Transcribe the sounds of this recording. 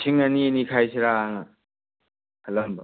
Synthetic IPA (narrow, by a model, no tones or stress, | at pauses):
sʰiŋɐninikʰajsʰiɾaːŋa | hɐlɐmbɐ